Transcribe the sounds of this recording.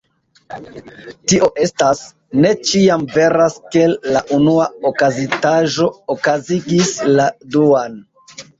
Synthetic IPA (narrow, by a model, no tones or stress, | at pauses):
tiʔo̞ʔe̞stas | ne̞t͡ʃiamve̞ɾaske̞laʔunuaokazitaʒo̞okaziɡisladuan